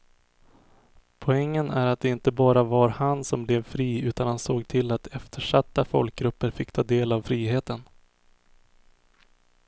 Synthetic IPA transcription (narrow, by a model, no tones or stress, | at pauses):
pʰɔɛŋːənæɾat̪̚d̪ɛɪnt̪əbɑːɾavaɾhansɔmblɛvfɾiːʉ̟ːt̪anhansoːɡt̪ʰɪlːat̪ɛft̪ʰəʂat̪ːafɔlk̚ɡɾɵpːəɾfɪkːt̪ʰɑːd̪eːlavfɾiːɦeːt̪ən